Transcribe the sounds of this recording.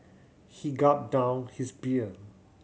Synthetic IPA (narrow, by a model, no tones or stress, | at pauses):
hiɡɔt̚dãʊ̃nhisbiə